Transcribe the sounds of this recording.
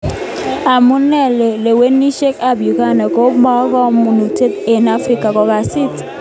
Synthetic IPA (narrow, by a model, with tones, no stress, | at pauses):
a˨mu˦nːɛ˦˨le˨we˦ni˦ʃe˦ka˦˨bju˨ka˦nɛ˨ko˦ɓa˦kɔ˦mu˨nu˨te˦t̪e˨na˦fɾi˦ka˨kɔ˨˦ka˨si˦t